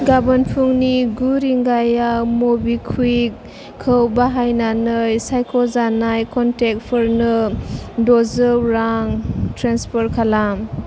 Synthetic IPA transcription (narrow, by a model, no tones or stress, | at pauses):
ɡabanpʰuŋniɡuɾiŋɡajamobikʰwikʰː | əwbaɦajnanɯjsajkʰɔzanajkɔntek̚pʰɯɾnɯdɔzɯwɾaŋtɾanspʰɔɾkʰalam